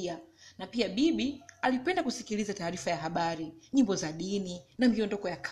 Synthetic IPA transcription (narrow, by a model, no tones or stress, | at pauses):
anapiaɓiɓialipɛndakusikilizataːɾifajaɦaɓaɾiɲimbɔzaɗininamiɔndɔkɔjakʰ